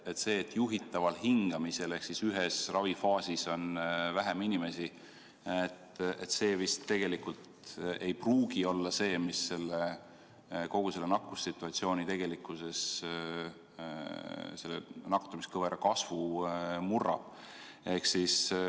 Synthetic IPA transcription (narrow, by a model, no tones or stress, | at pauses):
et̪se̞ːt̪ːjuɦit̪ːˑɑvɑlɦiŋɡ̥ɑmise̞le̞hksisyɦesrɑvifɑːsiso̞nvæɦeminʲime̞si | et̪e̞t̪se̞ːvist̪ːe̞ɡ̥e̞likult̪ | e̞jpruːɡ̥io̞lːɑse̞ːmisːe̞lːe | ko̞ɡ̥use̞lːenɑkːˑusːit̪ːˑuɑt̪sio̞ːnit̪e̞ɡ̥e̞likːˑuse̞s | se̞lːḛnɑkt̪ːumiskɤveɾekɑsvumurːɑ̰b̥ | e̞hksis